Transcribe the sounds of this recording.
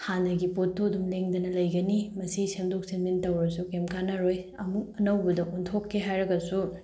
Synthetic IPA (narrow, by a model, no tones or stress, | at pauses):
handɐɡipotːodumleŋd̪ɐnɐlɐjɡɐnimɐsisemdok̚senmintɐwɐsukemkanaɾoj | ɐmuk̚ɐnɐwbɐdɐʔuntʰokʰːeɦajɾɐɡɐsu